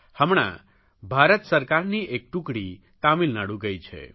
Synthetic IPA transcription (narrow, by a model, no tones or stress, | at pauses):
həmɳ̃a̰ | bʱaɾət̪səɾkaɾniʔek̚ʈũkɽi | t̪amilnaɽuɡəjt͡ʃʰḛ